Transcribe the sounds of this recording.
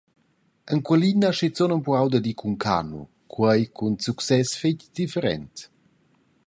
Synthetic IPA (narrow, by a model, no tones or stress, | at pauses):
əŋkwəlinaʃit͡sonəmpuawd̪əd̪ikʰuŋkʰa̰nṵ | kʰwəjkʰunsuksɛsfecd̪̥ifəɾɛ̰nt̪